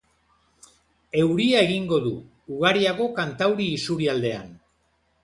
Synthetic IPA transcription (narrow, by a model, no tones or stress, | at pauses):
e̞wɾiae̞ɣiŋɡo̞ðuː | ɣaɾiaɣo̞kant̪awɾiːsuɾiald̪e̞a̰n